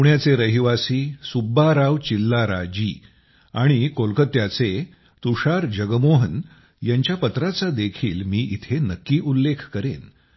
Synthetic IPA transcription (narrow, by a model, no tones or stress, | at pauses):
uɳjat͡seɾəɦiʋasiːsubːaɾaʋt͡ɕilːaɾa̰d͡ʑiː | aɽ̃ikolkət̪jat͡se | t̪uʂaɾd͡ʑəɡəmoɦən | jaɲt͡ɕjapət̪ɾat͡sad̪ekʰiːlmiːʔit̪ʰenəkːiːʔulːekʰkəɾen